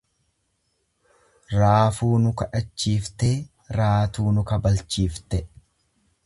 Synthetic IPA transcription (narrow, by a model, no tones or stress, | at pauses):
ɾaːfuːnʊkɐᶑɐt͡ʃːiːft̪eː | ɾaːt̪uːnʊkɐbɐlt͡ʃːiːft̪ɛ